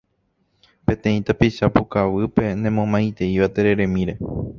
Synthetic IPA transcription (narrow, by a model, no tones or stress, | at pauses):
pẽ̞t̪ẽ̞ĩt̪apiʃapukaʋɨpe̞nẽ̞mõmãj̃t̪e̞iʋat̪e̞ɾe̞ɾẽ̞mĩɾe̞